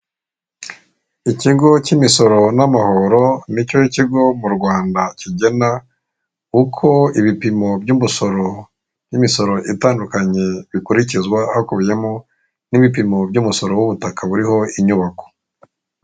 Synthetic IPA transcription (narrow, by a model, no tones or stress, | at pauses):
iciɡo̞cimiso̞ɾo̞namaho̞ɾo̞nicoiciɡo̞muɾɡwaːndaciɟe̞na | kukʰo̞iβipimo̞bɟumuso̞ɾo | jimiso̞ɾo̞ʔitaːndukaɲe̞βikuɾicizɡwahakuβje̞mo | niβip̬imo̞bɟuːmuso̞ɾo̞wuβutakaβuɾiho̞iɲuβako̥